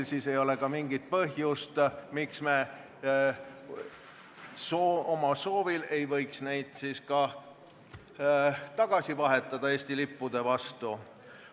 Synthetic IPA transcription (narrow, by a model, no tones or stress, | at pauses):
lsiːse̞jo̞lekɑmiŋɡ̥it̪̚pɤɦjust̪miksme̞ | soomɑso̞ːvile̞jvɤ̞jksne̞jd̪̥siːskɑ | t̪ɑɡ̥ɑsivɑɦe̞t̪ːˑɑd̪̥ɑe̞ːsʲt̪ilipːud̪̥e̞vɑst̪u